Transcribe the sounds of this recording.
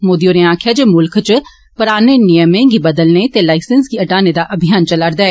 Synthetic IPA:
moːd̪ioːɾẽãːkʰjad͡ʒeːmʊlkʰt͡ʃ | pəɾaːneːnɪjəmẽːɡiːbəd̪əlneːt̪eːlaːɪsənsɡiəʈaːneːd̪aːʔəbʱɪjaːnt͡ʃəlaɾd̪aːɛː

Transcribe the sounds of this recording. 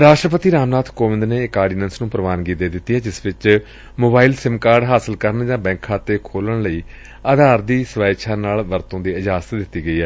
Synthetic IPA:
ɾaːʃʈɾəp̬ət̪iːɾaːmnaːt̪ʰkoːʋɪ̃nd̪neːkaːɖɪːnənsnũːpɾəʋaːnɡiːd̪eːd̪ɪt̪ːiːɦɛːd͡ʒɪsʋɪt͡ʃ | moːbaːiːlsɪmkaːɾɖɦaːsəlkəɾənd͡ʒãːbɛ̃ːŋkʰãːt̪eːkʰoːləɳləiː | aːd̪ʱaːɾd̪iːsəʋaːʃʰaːnaːlʋəɾt̪õːd̪iːəd͡ʒaːsə̥t̪d̪ɪt̪ːiːɡəiːɦɛː

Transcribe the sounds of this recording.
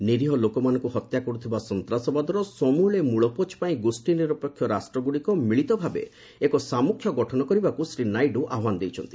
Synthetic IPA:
niɾiɦɔlokɔmanɔ̃ŋkuɦɔt̪jakɔɾut̪ʰibasɔnt̪ɾasɔbad̪ɔɾɔsɔmuɭemuɭɔpot͡ʃpaĩɡusʈiniɾɔpɔkʰːjɔɾasʈɾɔɡuɽikɔmiɭit̪ɔbʱabḛ | ekɔsamukʰjɔɡɔʈʰɔnɔkɔɾibakusɾinajɖuʔaɦwanɔd̪ejt͡ʃʰɔnt̪i

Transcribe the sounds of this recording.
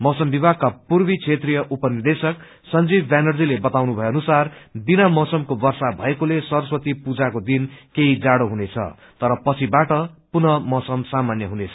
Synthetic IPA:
mʌwsʌmbibʱaɡ̚kapurbit͡sʰet̪rijʌʔupʌnird̪esʌk | sʌnd͡zibbanʌrd͡zilebʌt̪awnubʱʌjoʌnusarbinamʌwsʌmkobʌrsabʱʌekolesʌɾʌswʌt̪ipud͡zakod̪inkeid͡zaɽoɦunet͡sʰʌ̰ | t̪ʌɾʌpʌt͡sʰibaʈʌpunʌmʌsʌmsamanjʌɦunet͡sʰʌ̥

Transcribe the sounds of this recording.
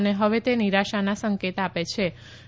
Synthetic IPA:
neɦəʋet̪eniɾaʃanasəŋket̪apet͡ʃʰe

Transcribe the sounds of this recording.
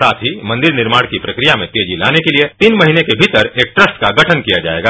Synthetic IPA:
saːt̪ʰɦimɐ̃nd̪ɪɾnɪɾmaːɽkipɾɐkɾijamẽt̪eːd͡ʒilaːnekeliet̪iːnmɐɦinekebʱiːt̪əɾeːk̚ʈɾəsʈkaɡɐʈʰənkijad͡ʒa̰ːḛːɡaː

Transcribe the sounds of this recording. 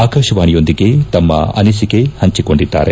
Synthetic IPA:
aːkɐːʃɐʋaːɳijo̞nd̪iɡe̞t̪ɐmːɐ̰ɐ̰nisiɡe̞hɐɲt͡ʃiko̞ɳɖid̪ːa̰ːɾe̞

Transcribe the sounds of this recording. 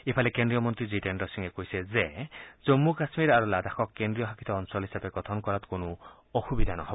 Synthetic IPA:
epʰalekend̪ɾijɔmɔnt̪ɾid͡ʒiʈeɳɖɔɾsiŋekoɦjsezed͡ʒɔmːukasmiɾaɾulad̪ʱaxʰɔkːend̪ɾijɔɦakʰi̥t̪ɔːnsɔlɦisabeɡɔt̪ʰɔnkɔɾat̪konu | oxubid̪ʱanɔɦɔbɔ

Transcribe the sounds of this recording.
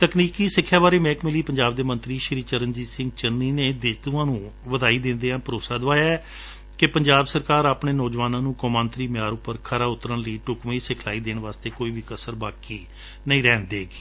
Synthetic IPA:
t̪əkniːkiːsɪkʰːjaːʋaːɾeːmɛ̃ːkmɪliːpəɲd͡ʒaːbd̪eːmə̃nt̪ɾiːʃɪɾiːt͡ʃəɾənd͡ʒiːsɪ̃ŋɡt͡ʃəniːneːd̪ɪd̪uãːnũːʋəd̪aːiːd̪ɪ̃ːnd̪eːãːpəɾoːsaːd̪ʋaːjaɛː | kɪpəɲd͡ʒaːbsəɾkaːɾaːpɳeːnɔːd͡ʒʋaːnãːnũːkɔːmãːnt̪ɾiːmjaːɾʊpːəɾkʰəɾaːʊt̪ɾəɳləiːʈʊkʋeiːsɪkʰlaːiːd̪eːɳʋaːst̪eːkoːiːʋiːkəsəɾbaːkiː | nəĩːɾɛːnd̪eːɡiː

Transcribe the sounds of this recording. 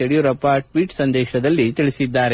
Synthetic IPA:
eɽijuɾɐpːaʈʋiːʈsɐnd̪ɛːʃɐd̪ɐlːit̪iɭisid̪ːaːɾe

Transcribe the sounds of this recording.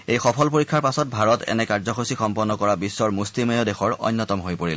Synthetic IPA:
ejxɔpʰɔlp̬oɹikʰːaɹpasɔt̚bʱaɹɔtɛ̰nɛkaɹzɔxosixɔmpɔnːɔkɔɹabisːɔɹmuslimɔjodexɔɹɔ̰jnːɔtɔmɦojpoɹil

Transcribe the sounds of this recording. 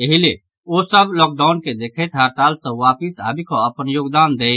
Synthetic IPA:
əɦile | osəblɔːk̚ɖaːʊnked̪eːkʰet̪ɦaɾt̪aːlsə̃ʋaːpisa̰ːbʱikoɐpənjoːɡd̪aːnd̪eː

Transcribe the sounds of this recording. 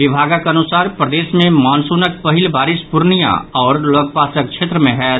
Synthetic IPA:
ʋɪbʱaːɡakɐnʊsaːɾpɾəd̪eːsmẽmaːnsunək̚pɐɦɪlbaːɾɪspʊɾnijã̰ɔːɾloːk̚paːsək̚t͡ʃʰeːt̪ɾəmẽɦɛ

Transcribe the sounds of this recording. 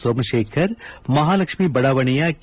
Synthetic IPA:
soːmʃeːkʰəɾmɐɦaːlɐkʃmibɐɽaːʋɐɽ̃ijak

